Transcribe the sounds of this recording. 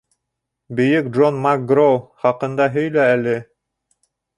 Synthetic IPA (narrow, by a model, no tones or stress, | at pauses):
bɵ̆jɵk̚dʒonmak̚ɡɾowˠχɑqɤ̆nd̪ɑɦɵ̆jlæælɘ